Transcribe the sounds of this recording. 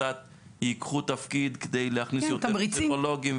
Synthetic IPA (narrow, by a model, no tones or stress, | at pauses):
at̪̚ | jikχut̪afkid̪ked̪e̞jleaχnisjot̪eʁieolo̞ɡim